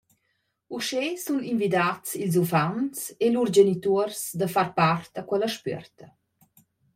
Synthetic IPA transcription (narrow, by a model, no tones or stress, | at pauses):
uʃesuninvid̪at͡silz̬ufant͡selurd͡ʒenit̪uərsd̪afarpart̪akwɛləʃpœ̰rt̪ə